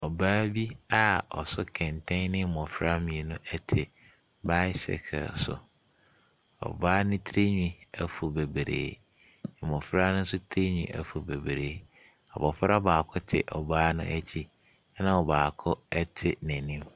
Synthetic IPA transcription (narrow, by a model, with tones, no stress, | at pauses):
ɔ˨baː˦bi˦a˦ɔ˨sʊ˦kʰɛ̃˨ntʰɛ̃˦nɪ̃˦mɔ̃˨fɪ˦ɾa˦mĩ˨e˨nʊ̃˦ʔɛ˦tʰɪ˨ | ba˦sɛ̰˨kʰa̰˨sʊ̰˨ | ɔ̰˨baː˦nʊ̃˦tʰɾe˦ɲᶣĩ˦æ˨fu˨be˨bɾḛː˨ | mɔ̃˨fɾa˦nʊ̃˦n̩˦sʊ˦tʰɾe˦ɲᶣĩ˦ʔæ̰˨fu˨be˨bɾeː˨˦ | ɔ˨bɔ˨fɾa˦baː˨kʰʊ˦tʰɪ̰˨ʔɔ˨baː˦nʊ̰̃˦ʔæ˦t͡ɕʰi˦ | nã˦˨ɔ˨baː˨kʰʊ˦ɛ˦tʰɪ˦næ̃˨nĩ˦m